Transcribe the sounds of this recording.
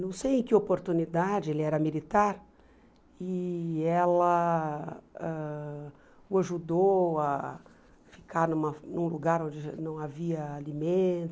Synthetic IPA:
nɐ̃w̃sejẽj̃kɪopoɾt̪unid̪ad͡ʒɪelɪɛɾɐmilit̪aɾ | ɪɛlɐ | ɛ | ʊaʒud̪oa | fi̥kʰaɾnũmɐnũluɡaɾõd͡ʒɪnɐ̃w̃aviɐalimẽt̪ʊ

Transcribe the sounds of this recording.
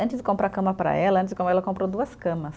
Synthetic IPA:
ɐ̃nt͡ʃɪzd͡ʒɪkõmpɾakɐ̃mɐpɾɐ̰ɛlɐɐ̃t̪ɪzɪkõmbʊɛlɐkõmpɾod̪uɐskɐ̃mɐs

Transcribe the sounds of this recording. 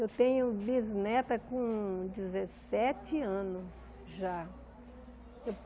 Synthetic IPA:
ewt̪ẽɲʊbiznɛt̪ɐkõd͡ʒizesɛt͡ʃɪɐ̃nʊs | ʒa | ew

